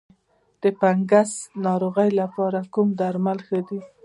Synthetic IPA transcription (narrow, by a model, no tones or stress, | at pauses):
d̪̥əpaŋɡasnɑɾoɣəjlapɑɾakumd̪aɾmalxəd̪i